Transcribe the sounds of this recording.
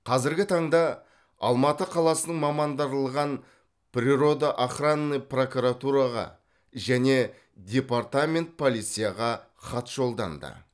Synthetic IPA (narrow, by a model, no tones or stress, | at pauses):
qʰɑzɪɾɡʲɪt̪ʰɑɴd̪ɑ | ɑ̰lˠmɑt̪əqʰɑlˠɑsənəɴmɑmɑnd̪ɑɾlˠəʁɑn | pɾʲiɾo̞d̪əʔaχranːɨjpro̞kuɾat̪uɾɑʁɑ̰ | ʒæne̞ | d̪ʲe̞part̪amʲe̞nt̪̚pʰo̞lˠijt̪sɨjaʁɑ | χɑt̪ʒo̞lˠd̪ɑ̰nd̪ə̰